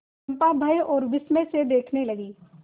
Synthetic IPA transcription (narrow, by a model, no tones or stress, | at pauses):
mpabʱɐeɔːɾʋɪsmẽsed̪eːkʰnelɐɡiː